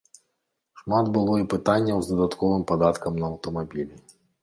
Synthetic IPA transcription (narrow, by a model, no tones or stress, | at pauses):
ʂmad̪bɨlˠɔipɨt̪anʲːɐwzd̪ɐd̪at̪kɔvɨmpad̪at̪kɐmnɐɐwt̪ɐmabʲilʲi